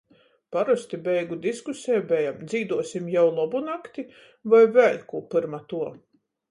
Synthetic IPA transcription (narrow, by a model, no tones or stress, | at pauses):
paɾust̪ibɛjɡud̪iskusʲɛjbɛjamd̪ziːd̪uɔsimjawlˠɔbunakt̪i | vajvælʲkupɨɾmat̪uɔ